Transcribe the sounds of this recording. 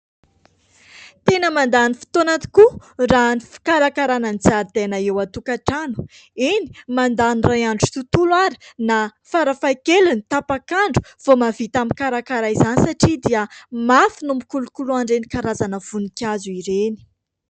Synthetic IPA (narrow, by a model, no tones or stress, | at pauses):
t̪enəmand̪anifi̥t̪onat̪i̥ku | ranifi̥kaɾakaɾananit͡saɾd̪̥enaewat̪ukaʈ͡ʂanu̥ | ini̥mand̪anirajaɳɖ͡ʐu̥t̪ut̪ulwaɾi̥nafaɾafajkelunit̪apakaɳɖ͡ʐu̥v̥omavit̪amikaɾakaɾaizanisaʈ͡ʂid̪iəmafinumbikulukuluaɳɖ͡ʐeni̥kaɾazanəv̥unikʲazuiɾeni̥